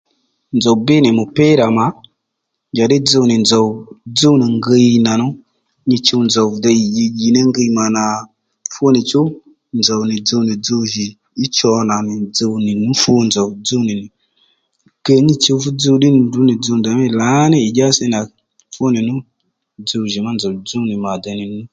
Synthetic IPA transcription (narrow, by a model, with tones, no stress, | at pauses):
nd͡zɔ˨wbɪ˦nɪ˨mʊ˨pɪ˦ɾa˨ma˨˦ | ɲd͡ʒa˨ɗɪ˦d͡zə˧wnɪ˨nd͡zɔ˨wd͡zo˦wni˨ŋɡə˧i˧na˨nʊ˦ | ɲi˧t͡ʃe˧wnd͡zɔ˨wvda˧ji˨d͡ʒi˧ɡi˨nɛ˦ŋɡə˧i˧ma˨na˨ | fo˦nɪ˨t͡ʃʊ˦ | nd͡zɔ˨wnɪ˨d͡zo˧wnɪ˨d͡zo˧wʒi˨ | i˦t͡ʃɔ˧na˨ni˨d͡zə˧wni˨nu˦fu˧nd͡zo˨wd͡zə˦wni˨ni˨ | kə˧ɲi˧t͡ʃe˧wfu˦d͡zə˧wɗi˦n˨du˦ni˨d͡zə˧wn˨da˨mi˦˨la˨˦ni˦i˨ɡʲa˦si˦na˨ | fo˦ni˨nu˦ | d͡zə˧wʒi˨ma˦nd͡zo˨wd͡zo˦wni˨ma˨da˧˨ni˨n˦u˦